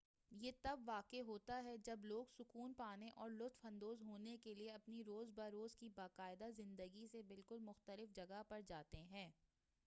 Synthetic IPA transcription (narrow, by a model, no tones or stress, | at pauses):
jeːt̪ɐbʋaːkeɦoːt̪aɦɛd͡ʒɐbloːɡsʊkuːnpaːneʔɔːɾlʊt̪fɐ̃nd̪oːzɦoːnekelieɐpniɾoːzbaɾoːzkibaːqaːɪd̪azɪ̃nd̪əɡisebɪlkʊlmʊxt̪əlɪfd͡ʒɐɡapɐɾd͡ʒaːt̪eɦɛ̃ː